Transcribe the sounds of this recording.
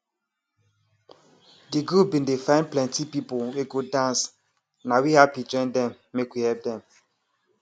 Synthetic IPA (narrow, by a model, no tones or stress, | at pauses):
diɡubindefãɪ̃nplɛ̃ntipipoweɡodãns | nawihapid͡ʒɔ̃ndɛm | mekwihɛp̚dɛm